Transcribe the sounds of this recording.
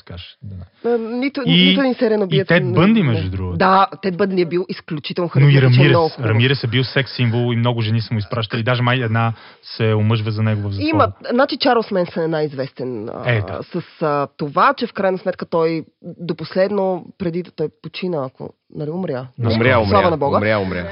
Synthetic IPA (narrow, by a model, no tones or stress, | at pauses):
sɛ̥kaʒd̪anit̪ʊinit̪ʊɛd̪insɛɾiənobiət̪ɛbənd̪imɛʒd̪ud̪ɾuɡət̪d̪at̪ɛt̪̚bənd̪iɛbilˠisklʲut͡ʃit̪ɛlˠnoxəɾnoiɾɐmiɾɛɔɾɐmiɾɛsɛbilˠsɛksimvolˠimnɔɡʊʒɛnisɐmʊispɾaʃt̪ɐlid̪aʒɛmajɛd̪na | sɛomɤʒvəzɐnɛɡovɐvzɐiməznat͡ʃit͡ʃaɾlˠsmɛnsəɛnajizvɛst̪ɛn̰ɛa̰səsət̪ovat͡ʃɛfkɾajnɐsmɛt̪̚kət̪ɔj | d̪oposlɛd̪nopɾɛd̪id̪t̪ɔjpot͡ʃinəːko̰ | nɐliomɾjanɾaslˠavɐnɐbɔɡəɾjaomɾja̰